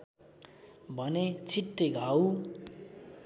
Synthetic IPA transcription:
bʱʌnet͡sʰiʈːeɡʱaw

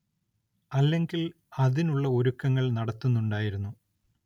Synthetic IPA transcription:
ɐlːe̞ŋɡil | ɐðinuɭːɐo̞ɾukːɐŋːɐɭnɐɽɐt̪ːunːuɳɖaːjiɾunːu

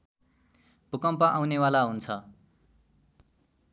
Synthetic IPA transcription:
b̥ʱukʌmpʌʔawnewalaɦunt͡sʰʌ

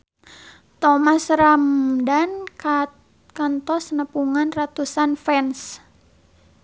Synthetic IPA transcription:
t̪ɔmasɾamdan | kant̪ɔsnəpuŋanrat̪usanfɛns

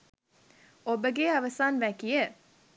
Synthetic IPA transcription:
obəɡeɐʋɐsaːnʋækijə

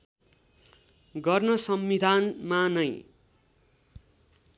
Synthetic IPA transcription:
ɡʌrnʌsʌmid̪ʱanmanʌj

